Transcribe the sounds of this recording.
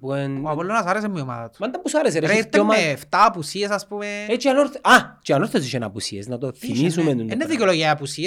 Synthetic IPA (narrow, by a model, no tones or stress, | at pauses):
buenuapolːonasaɾes̬emioma̰ðɐt̪u̥mand̪ɐmpusaɾes̬eɾeɾt̪ːomaeft̪apusies̬aspumeet͡ʃianoɾθat͡ʃianoɾθes̬iʃena̰pusiesnat̪oθimisumenunenːeðikoloʝaapusi